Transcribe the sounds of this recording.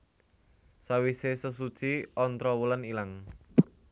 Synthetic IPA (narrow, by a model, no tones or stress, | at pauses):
sawisesəs̬u̥t͡ʃiɔnt̪ɾɔwulanilaŋ